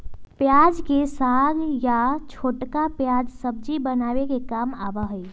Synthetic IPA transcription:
pjad͡ʒkesaɡjat͡ʃʰoʈkapjad͡ʒsəb̚d͡ʒibənabekekamabəɦəi

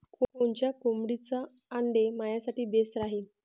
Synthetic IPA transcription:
kokoɳt͡ɕjakomɽit͡saː | ɳɖemajasaʈiːbesɾaɦiːn

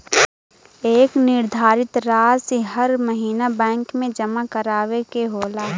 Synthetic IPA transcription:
eːknɪɾd̪ʱaːɾɪt̪ɾaːseɦɐɾmɐɦiːnabɛ̃ːŋkmẽd͡ʒɐmakəɾaːʋekeɦoːlaː

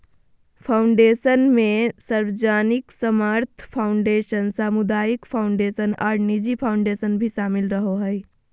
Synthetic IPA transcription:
pʰaʊɳɖesənmẽsəɾʋəd͡ʒaːniksəmaɾt̪ʰpʰaʊɳɖeʃənsaːmud̪aːjikpʰaʊɳɖesənaɾnid͡ʒipʰaʊɳɖesənbʱisaːmilɾəɦoɦəj

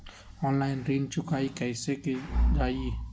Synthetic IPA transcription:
ɔːnlaːɪnɾiːnt͡ʃʊkaːikɛɪsekid͡ʒaːi

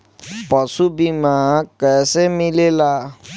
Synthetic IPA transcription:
pɔsubimãkɛsemĩlela

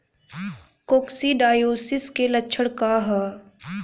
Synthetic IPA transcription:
koːksiɖaːjoːsɪskelɐtːt͡ʃʰəɽkaɦaː

